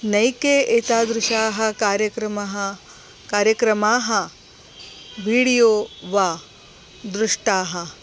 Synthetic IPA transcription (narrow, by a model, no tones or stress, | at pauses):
nɐjkeːeːt̪aːd̪ɾɪʃaːɦɐ̆kaːɾjɐkɾɐmɐɦɐ | kaːɾjɐkɾɐmaːɦɐ | ʋiːɽijoːʋaː | d̪ɾʊʂʈaːɦɐ